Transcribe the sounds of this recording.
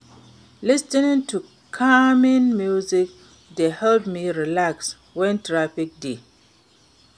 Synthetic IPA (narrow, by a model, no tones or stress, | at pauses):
listinĩŋtʰu | kʰamĩnmjuzik̚ | dehɛldmiɹilaks | wɛ̃ntɹafik̚de